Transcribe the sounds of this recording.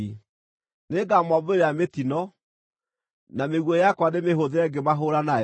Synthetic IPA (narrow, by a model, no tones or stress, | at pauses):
neɡamɔboɾeɾeametinɔ | nameɣwɔjakwanemeɦoðeɾɛɡemaɦoɾana